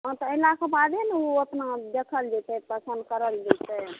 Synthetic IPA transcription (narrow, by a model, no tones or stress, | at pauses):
ɦɔ̃t̪ɔelakabad̪ɛnoəpnad̪ekʰəld͡ʒ̪et̪ɛpəsə̃nd̪̚kəɾəld̪et̪ɛ